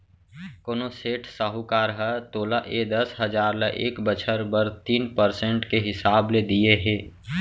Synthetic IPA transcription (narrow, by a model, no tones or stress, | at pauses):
koːnoseːʈʰsaɦukaːɾɦət̪oːlaʔed̪əsɦəd͡ʒaːɾləʔeːkbət͡ʃʰəɾbəɾt̪iːnpəɾsẽɳʈkeɦɪsaːbled̪ieɦẽː